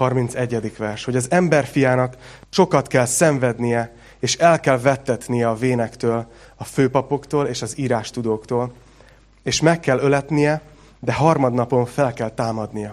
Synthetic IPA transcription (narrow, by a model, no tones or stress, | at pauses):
ɒrmint̪sɛɟːɛd̪ikʋɛrʃho̞ɟɒzɛmbɛrfijaːnɒk | t͡ʃo̞kɒt̪kɛlsɛɱvɛd̪nijɛ | eːʃɛlkɛlvɛt̪ːɛt̪nijɛɒveːnɛkt̪øːlɒføːpɒpo̞kt̪oːleːʃɒziːɾaːʃt̪ud̪oːkt̪oːl | eːʃmɛkːɛlːølɛt̪nijɛ | d̪ɛɦɒrmɒd̪nɒpo̞ɱfɛlkɛlt̪aːmɒd̪nijɒ